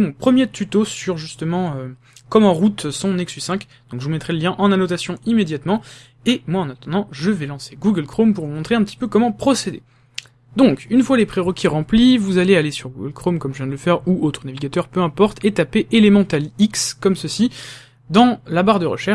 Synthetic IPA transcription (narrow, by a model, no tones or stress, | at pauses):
mɔ̃pχəmjet̪ʰyt̪osyʁʒyst̪əmɑ̃ø | kɔmɑ̃ʁut̪sɔ̃nɛksysɛ̃k | d̪̥ɔ̃kʒəvumɛt̪χɛləljɛ̃ʔɑ̃nanɔt̪asjɔ̃imed̪jat̪mɑ̃ | emwaɑ̃nat̪ɑ̃d̪ɑ̃ʒəvɛlɑ̃seɡuɡəlkχompuʁvumɔ̃t̪χeɛ̃pət̪i̥pøkɔmɑ̃pχɔsed̪ḛ | d̪ɔ̃kynfwalepχeʁɔkʲiʁɑ̃plivuzalealesyʁɡuɡəlkχomkɔmʒəvjɛ̃d̪ələfɛʁuot̪χənaviɡʲat̪œʁpøɛ̃pɔʁt̪ʰet̪apeʔelemɑ̃t̪alikskɔmsəsi | d̪ɑ̃labaʁd̪əʁə̰ʃɛ